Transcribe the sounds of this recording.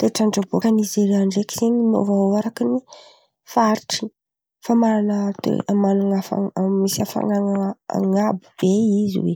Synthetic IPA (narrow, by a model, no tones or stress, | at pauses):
t̪eʈ͡ʂaɳʈ͡ʂabokanizeɾeaɳɖ͡ʐeki̥z̥eɲino̰vaoaɾakini | faɾiʈ͡ʂi̥ | famaɾanət̪ḛamanaŋafa̰misiafa̰ŋaŋa̰ŋabu̥b̥eizḭwḛ